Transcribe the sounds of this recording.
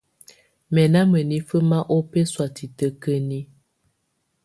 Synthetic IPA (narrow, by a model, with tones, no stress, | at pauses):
mɛ˨na˦mə˨ni˦fə˦ma˦ʔo˦pe˦swa˨ti˨tə˦kə˦ni˦